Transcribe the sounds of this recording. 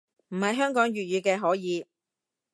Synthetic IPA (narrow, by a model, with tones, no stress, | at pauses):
m̩˨˩hɐ˨jɦœː˥ŋkɔː˨˥ŋjyː˨t̚jyː˨˧kɛː˧ɦɔː˨˥jiː˨˧